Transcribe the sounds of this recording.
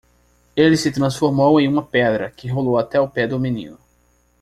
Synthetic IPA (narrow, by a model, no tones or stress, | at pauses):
elɪsɪt̪ɾɐ̃sfoɾmowẽj̃ũmɐpɛd̪ɾɐkɪɦolowat̪ɛawpɛd̪ʊmĩnḭ̃nʊ